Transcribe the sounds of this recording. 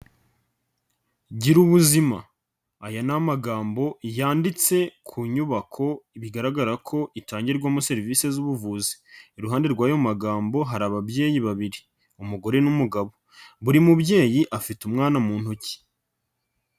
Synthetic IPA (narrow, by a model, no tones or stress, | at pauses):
ɟiɾuβuzima̰ː | janamaɡaːmbo̞jaːndit͡se̞kʰuːɲuβakʰo̞iβiɡaɾaɡaɾakʰo̞ʔitaːɲɟiɾɡwamuse̞ɾiviːse̞zuβuvuːzi̥iɾuɦaːnde̞ɾɡwaːjo̞maɡaːmbo̞ɦaɾaβabje̞ːjiβaβiɾi | umuɡo̞ɾe̞numuɡaβo̞ | βuɾimubɟe̞ːjiʔafitumŋaːnamuːnhuci̥